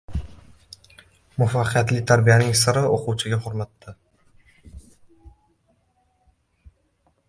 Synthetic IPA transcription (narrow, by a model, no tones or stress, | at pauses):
mʊfaqʰɨjat̪lɪt̪ʰaɾbijanɪŋsɪɾɪoqʰʊwt͡ʃʰɪɡʲaχʊɾmat̪ʰːɪ